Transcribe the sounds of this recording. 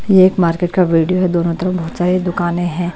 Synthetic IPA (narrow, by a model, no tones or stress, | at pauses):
jeeːkmaːɾkeːʈkaʋiːɖijoɦɛd̪oːnõt̪ɐɾəfbɐɦʊt̪saːɾed̪ʊkaːnẽɦɛ̃ː